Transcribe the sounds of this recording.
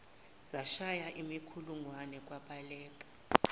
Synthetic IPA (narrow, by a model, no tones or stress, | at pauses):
z̥aʃajaʔimikʰuluŋwanɛk̬ʼwaɓalɛːk̬ʼḁ